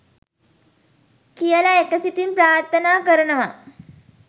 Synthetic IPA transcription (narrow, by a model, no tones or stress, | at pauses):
kijəlɐekəsit̪impɾaːɾt̪ʰɐnaːkəɾənəʋa